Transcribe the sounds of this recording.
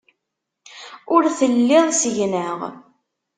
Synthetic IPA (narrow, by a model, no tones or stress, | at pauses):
ʊɾθəlːɪðˤsəʝnəʁ